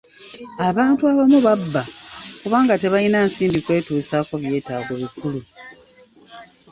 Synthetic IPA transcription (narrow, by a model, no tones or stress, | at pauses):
aβaːntuaβamuβabːakuβaːŋɡate̞βajinaːnsiːmbikwe̞ːtuːsaːko̞βje̞ːtaːɡo̞βikulu